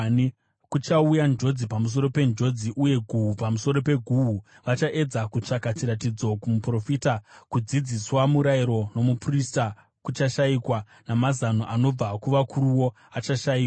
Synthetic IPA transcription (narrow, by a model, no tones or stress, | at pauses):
kut͡ʃaujand͡ʒo̞d͡zipamus̬o̞ɾo̞pe̞nd͡ʒo̞d͡ziʔuje̞ɡʱuɦupamuso̞ɾo̞pe̞ɡʱuɦu | ʋat͡ʃaʔe̞d͡zakut͡ʂakat͡ʃiɾatid͡zokumupro̞fiːtakud͡zid͡ziswamuɾaiɾo̞no̞muprista | kut͡ʃaʃaikwa | namazanoʔano̞b͡vakuʋakʰuruwo̞ | at͡ʃaʃaiːkwa